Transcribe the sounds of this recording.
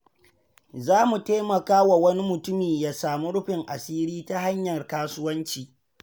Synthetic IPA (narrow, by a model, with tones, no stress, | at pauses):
zaː˦mu˨teː˦mɐ˨kaː˦wa˨wɐ˦ni˦mʊ˨tʊ˦miː˨jaː˦saː˨mu˦ɽʊ˦ɸɪ˨ŋʔa˨siː˦ɾiː˦ta˦ɦa˦ɲjɐ˨rkaː˦sʊ˦wɐ˦nt͡ʃiː˨